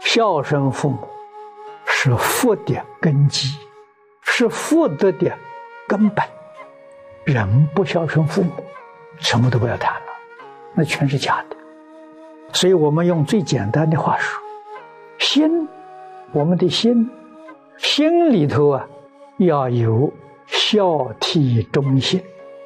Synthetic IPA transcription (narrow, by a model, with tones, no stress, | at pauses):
ɕjɑ˥˧ʊʂə˥nfu˥˩mu˨˩˦ | ʂɻ̩˥˧˩fu˥˩t̪jɛ˨˩kə˥nt͡ɕi˥ | ʂɻ̩˥˧fu˥˩t̪ə˧d̪ɛ˨˩nkə˥npə˨˩˦n | ɻə˧˥npu˥˧ɕjɑ˥˩ʊʂə˥nfu˥˩mu˨˩˦ | ʂə˧˥mə˧t̪o˧pjɑ˥˩t̪ʰa˥˩ma˨˧ | na˥˩t͡ɕʰɥɛ˧˥nʂɻ̩˥˩t͡ɕja˥˩d̪ə̥˨ | swɔ˧˥i˧˩wɔ˨˩mə˦njʊ˥˧ŋt͡swe˥˩ɪt͡ɕjɛ̰˨˩nt̪a˥nd̪ə˨˧xwa˥˩ʂu̥˥ | ɕi˥n | wɔ˨˩mə˦nd̪ə˨ɕi˥n | ɕi˥nli˨˩t̪ʰo˧˥ʊɐ˨ | jɑ˥˩ʊjo˨˧˥ʊ | ɕjɑ˥˧ʊt̪ʰi˥˩ʈ͡ʂʊ˥ŋɕi˥n